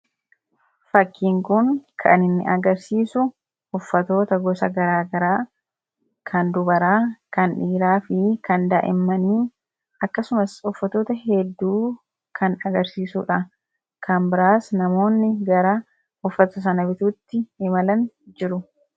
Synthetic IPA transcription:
fɐkːiːŋkʊnkʰɐ̰nɪnːɪ̰ʔɐɡɐɾsiːsʊ | ʊfːɐt̪o̞ːt̪ɐɡɔsɐɡɐɾaːɡɐɾaː | kʰɐnd̪ʊbɐɾaːkɐnᶑiːɾaːfɪkɐnd̪aːʔɪ̰mːɐniː | ɐkːɐsʊmɐsʊfːɐt̪oːt̪ɐɦɛd̪ːuː | kʰɐnɐɡɐɾsiːsuːᶑɐ | kɐmbɪɾaːsnɐmo̞ːnːɪɡɐɾa | ʊfːɐt̪ʊs̬ɐnɐbɪt̪uːt̪ːɪɪmɐlɐn | d͡ʒɪɾʊ

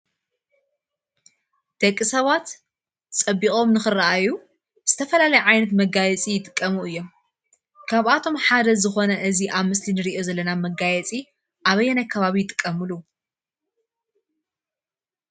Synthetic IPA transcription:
d̪̥ɐkʼːisɐβat̪ | t͡sʼɐbːixʼo̞mnɨxɨrːɐʔaju | z̥ɨt̪ʰɐfɐlalɐjuʕajnɐt̪mɐɡajɛt͡sʼijɪt̪ʼɨkʼːɐmuɨjːo̞m | kʰaβʔat̪ʰo̞mħad̪ɐzɨxo̞nɐʔɨziʔaβmɨslinɨɾiʔo̞zɐlːɐnamɐɡajɛt͡sʼi | ʔaβɐjːɛnajkʰɐβaβijɪt̪ʼɨ̥kʼːɐmɨlu

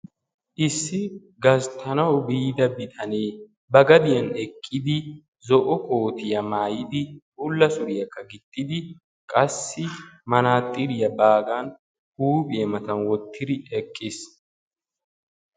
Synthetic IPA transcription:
ʔɪsːɪ | ɡɐzt̪ʰɐnɐwʊbiːd̪ɐbɪt̪ʼɐneː | bɐɡɐd̪ɪjɐnɛkʼːɪd̪ɪ | zɔʔɔkʼoːt̪ɪjɐmaːjɪd̪ɪhʊlːɐsʊɾɪjɐkːɐɡɪt̪ʼːɪd̪ɪ | kʼɐsːɪmɐnaːt̪ʼːɪɾɪjɐbaːɡan | huːpʼɪjɛmɐt̪ɐnwɔt̪ʰːɪd̪ɪɛkʼːɪs

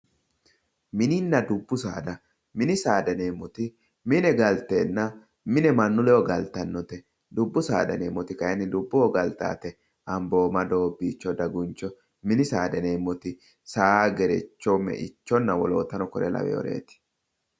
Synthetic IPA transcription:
mɪnɪnːɐd̪ʊbːʊsa̰ːd̪ɐ | mɪnɪsaːd̪ɛneːmːɔt̪ɪ | mɪnɛɡɐlt̪eːnːɐ | mɪnɛmɐnːʊlɛɔɡɐlt̪ɐnːɔt̪ɛ | d̪ʊbːʊsa̰ːd̪ɐneːmːɔt̪ɪkɐjɛnɪd̪ʊbːɔɔɡɐlt̪a̰ːt̪ɛ | ʔɐmbo̞ːmɐd̪o̞ːbːiːt͡ʃːɔd̪ɐɡʊnt͡ʃːɔ | mɪnɪsaːd̪ɐneːmːɔt̪ɪ | saːaɡɛɾɛt͡ʃːɔmɛ̰ʔɪ̰t͡ʃːɔnːɐwɔloːt̪ɐnɔkɔɾɛ̰lɐ̰wɛ̰jɔ̰ɾḛːt̪ɪ̥

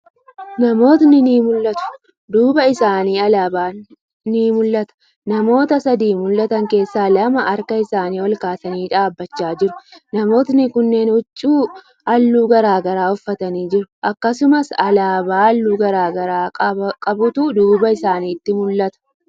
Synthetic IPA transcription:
nɐmo̞ːt̪nɪniːmʊlːɐt̪ʊ̥ | d̪uːbɐɪsaːniːɐlabaː | niːmʊlːɐt̪ɐ̥ | nɐmo̞ːt̪ɐsɐd̪iːmʊlːɐt̪ɐŋke̞ːsːaːlɐmɐʔɐɾkɐɪsaːniːwɔlkaːsɐniːᶑaːbːɐt͡ʃːaːd͡ʒɪɾʊnɐmo̞ːt̪nɪkʊnːe̞ːnʊt͡ʃʼːuː | ʔɐlːuːɡɐɾaːɡɐɾaːʊfːɐt̪ɐniːd͡ʒɪɾʊʔɐkːɐsʊmɐsɐlaːbaːɐlːuːɡɐɾaːɡɐɾaːɐkʼɐbʊt̪ud̪uːbɐɪsaːniːt̪ːɪmʊlːɐt̪ɐ̥

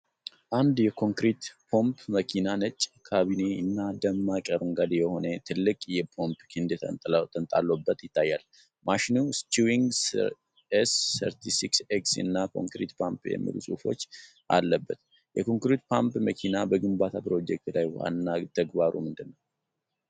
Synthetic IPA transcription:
ʔand̪jɛkʰo̞ŋkɾit̪pʰo̞mpʰməkʰinanət͡ʃʼkʰaβine̞ɨnːad̪əmːakʼəɾɨŋɡad̪jɛho̞nət̪ʰɨlːɨkʼjɛpʰo̞mpkʰɨnd̪ʼt̪ʰənt̪ʼa̰lːobːət̪jɪt̪ʰːajːal | mʔaʃinust͡ʃ̪uiŋɡs | esːə̰ɾt̪ʰisikseksɨ̰nːakʰo̞̰ŋkɾḭt̪pʰampjɛ̰mːḭlṵsʼufo̞̰t͡ʃː | ʔa̰lːəbːət̪ | jɛkʰo̞ŋkɾit̪̚pʰampməkʰinabəɡɨmbat̪ʰapɾo̞d͡ʒɛk̚t̪laj̰ha̰nːat̪ʰəɡbaɾṵmɨnd̪ɨnːəw

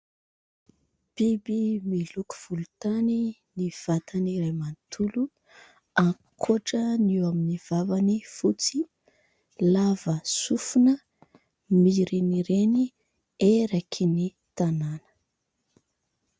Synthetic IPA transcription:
b̥ibimiluku̥v̥ulut̪aniniv̥at̪aniɾemant̪ʰulu | a | kʰoʈ͡ʂəniwaminiv̥avanifut͡si | lavəsufunə | miɾiniɾeni | eɾakʰini | t̪ananə̥

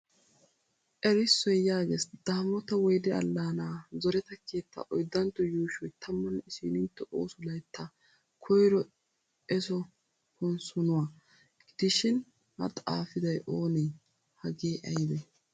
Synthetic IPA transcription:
ʔɛɾɪsːɔjjaːɡesd̪̥aːmɔt̪ɐwɔjd̪ɛɐ̰lːaːnaːzɔɾɛt̪ɐkʰe̞ːt̪ːɐ̰ʔɔjd̪ːɐnt̪ːɔjuːʃɔjt̪ʰɐmːɔnɪsiːnɪnt̪ːɔʔo̰ːsʊlɐjt̪ʰːɐ | kʰɔjɾɔ | ɛsɔ | hɔnsɔnʊwaː | ɡ̥ɪd̪̥ɪʃɪn | hɐ̰t̪ʼa̰ːfɪd̪ɐjʔoːnɛj | hɐɡeːʔɐjd̪ɛ

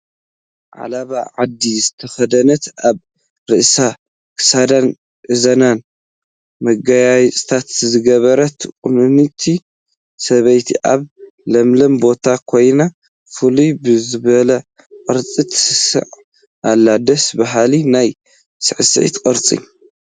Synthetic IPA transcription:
ʕa̰laβaʕad̪ːizɨt̪ʰɐxɐd̪ɐnɐt̪aβ | ɾɨʔsa | kʰɨ̥sad̪an | ʔɨzɐnan | mɐɡajajt͡sʼt̪ʰat̪zɨɡɐβɐɾɐt̪kʼunɨnɨt̪ʰi | sɐβɐjt̪ʰiʔaβ | lɐmlɐmbo̞t̪ʰakʰo̞jna | fɨlubɨzɨβɐlɐ | qʼɨɾt͡sʼit̪ʰsɨsɨ̰ʕ | ʔalːad̪ɐsbaɦalinaj | sɨʕɨsʕḭt̪kʼɨɾt͡sʼḭ

